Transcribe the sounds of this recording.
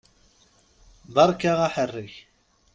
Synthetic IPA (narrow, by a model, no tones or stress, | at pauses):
ðɑɾˤkaʁaħərːəç